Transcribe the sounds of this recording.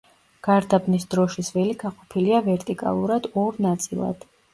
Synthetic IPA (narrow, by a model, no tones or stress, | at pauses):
ɡ̥aɾd̪abnisd̪ɾɔʃisvɛliɡaqʼɔpʰiliavɛɾt̪ʼikʼa̰lˠuɾad̪ɔɾnat̪sʼḭlˠa̰d̪̥